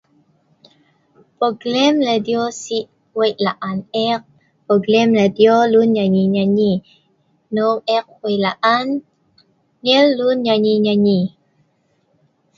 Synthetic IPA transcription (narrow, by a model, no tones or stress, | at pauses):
poɡlɛmləd̪iosiʔ | wejlaʔanɛq̚ | poɡlɛmladiolunɲaɲiɲaɲi | noʔɛq̚hwejlaʔan | ɲɛlːunɲaɲiɲaɲi